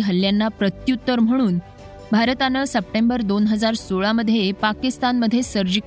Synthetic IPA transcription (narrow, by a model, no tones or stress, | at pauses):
ɦəlːjanːapɾət̪jut̪ːəɾm̤əɽ̃uːn | bʱaɾt̪anəsəp̚ʈembəɾd̪onɦəd͡zaɾsoɭaməd̪ʱːjepakist̪anməd̪ʱːjesəɾd͡ʑik